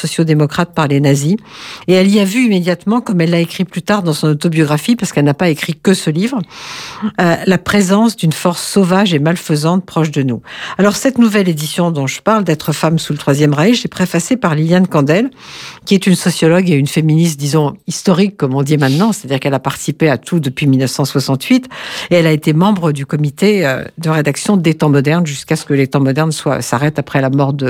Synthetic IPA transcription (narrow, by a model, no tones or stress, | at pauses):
sɔsjod̪emɔkχat̪̚paʁlenazieɛliavyimed̪jat̪mɑ̃kɔmɛlːaekχiplyt̪aʁd̪ɑ̃sɔ̃not̪objɔɡʁafipaʁsə̥kɛlnapaekχikəsəlivʁə | ølapχezɑ̃sd̪ynfɔʁsːovaʒemalfəzɑ̃t̪̚pχɔʃd̪ənualɔʁsɛt̪nuvɛled̪isjɔ̃d̪ɔ̃ʒəpaʁld̪ɛt̪χəfamsulət̪χwazjɛmʁaiʃɛpχefasepaʁliljankɑ̃d̪ɛlkʲiɛt̪ynsɔsjɔlɔɡeynfeminist̪d̪izɔ̃ist̪ɔʁikːɔmɔ̃d̪imɛ̃t̪nɑ̃se̥t̪ad̪iʁkɛlapaʁt̪i̥sipeat̪ʰud̪əpɥimilnəfsɑ̃swasɑ̃t̪ɥit̪eɛlaet̪emɑ̃bʁəd̪ykɔmit̪eø̰d̪əʁed̪aksjɔ̃d̪et̪ɑ̃mɔd̪ɛʁnʒyskasə̥kəlet̪ɑ̃mɔd̪ɛʁnswa̰saʁɛt̪apχɛlamɔʁd̪ə